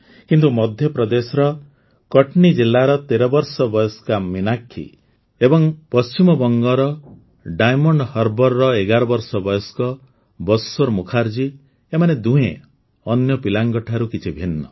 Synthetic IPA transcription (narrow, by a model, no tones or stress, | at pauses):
kint̪umɔd̪ʱjɔpɾɔd̪esɔɾɔ | kɔʈnid͡ʒilːaɾɔt̪eɾɔbɔɾsɔbɔjɔskaminakʰːḭ | ebɔŋpɔst͡ʃimɔbɔŋɡɔɾɔ | ɖajmɔɳɖhɔɾbɔɾːɔeɡaɾɔbɔɾsɔbɔjɔskɔ | bɔsoɾmukʰaɾd͡ʒi | emaned̪uɦẽ | ɔnjɔpilaŋɡɔʈʰaɾukit͡ʃʰibʱinːɔ̰